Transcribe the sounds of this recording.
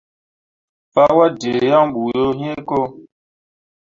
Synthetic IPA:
pa˦wa˦de˨jã˦ŋɓu˨jo˦ɦẽ˦ko˦

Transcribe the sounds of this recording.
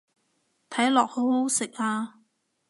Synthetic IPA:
t̪ʰɐ˨˥jlɔː˨k̚ho˨˥who˨˥wsɪ˨k̚aː˧

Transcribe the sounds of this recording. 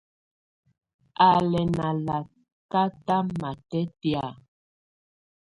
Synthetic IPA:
a˨lɛ˨na˨la˨ | ka˦ta˦ma˨tɛ˦ti˦a˨

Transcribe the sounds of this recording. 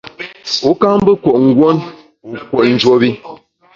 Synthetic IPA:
u˦ka˦m˦bə˦ko˨ʔŋ̩˦ɡwo˦n | u˨kwo˨ʔn̩˨d͡ʒwo˨˦bi˦

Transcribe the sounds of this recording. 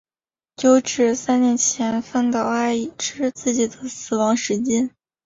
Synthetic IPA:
t͡ɕjo˥˧ʊʈ͡ʂɻ̩˥˩sa˥nnjɛ˧˥nt͡ɕʰjɛ˧˥nfə˥˩nt̪ɑ˥˩ʊa˥ɪi˨˩ʈ͡ʂʰɻ̩˥t͡sɹ̩˥˩t͡ɕi˨˩d̪ə˦sɹ̩˨˩wɑ˧˥ŋʂɻ̩˧˥t͡ɕjɛ˥n

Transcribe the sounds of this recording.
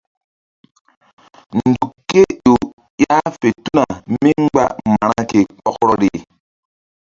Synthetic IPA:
n̩˨du˨kːe˦jo˨ | ja˦fe˨tu˦na˨mi˦ŋ͡mɡ͡ba̰˦ma˨ɾa˦ke˨k͡pɔ˦kɾɔ˦ɾe˨

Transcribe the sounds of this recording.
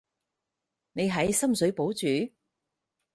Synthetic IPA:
ne˨˧jɦɐ˨˥jsɐ˥msɵ˨˥ɥpo˨˥wt͡syː˨˥

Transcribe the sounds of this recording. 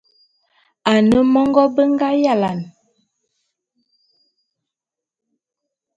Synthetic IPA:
a˨nə˦mɔ˦ŋɡɔ˦bə˦ŋɡa˦ja˦˨la˨n

